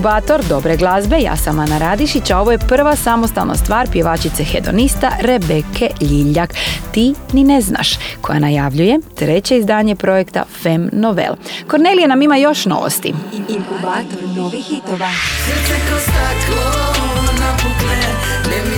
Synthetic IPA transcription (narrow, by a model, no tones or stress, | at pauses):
ubaːt̪o̞ɾd̪o̞bɾeɡlˠazbe̞ja̰ːsamanaɾad̪iʃit͡ɕao̞ʋo̞jepr̩ʋasamo̞st̪a̰lna̰st̪ʋaːɾpjeʋaːt͡ɕit̪sexe̞d̪o̞̰nist̪aɾebekʰeʎiʎːakt̪inine̞zna̰ʃkʰo̞ja̰najaʋʎuje̞t̪ɾe̞t͡ɕe̞izd̪aːɲe̞pɾo̞jekt̪a̰femnoʋḛlˠko̞ɾnelijenamimajo̞ʃno̞̰ʋo̰st̪ḭ